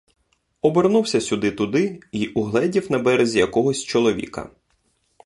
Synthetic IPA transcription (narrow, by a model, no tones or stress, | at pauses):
ɔbernuwsʲɐsʲʊd̪ɪt̪ʊd̪ɪiʔuɦlˠɛdʲiwnɐbɛɾezʲijɐkɔɦɔsʲt͡ʃɔlˠɔʋʲḭkɐ̰